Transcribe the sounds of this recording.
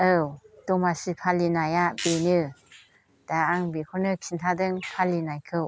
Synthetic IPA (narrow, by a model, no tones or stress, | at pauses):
ɯwtɔmasipʰalinajabenɯ | d̥aaŋbekʰɔnɯkʰintʰadɯŋpʰalinajkʰɯw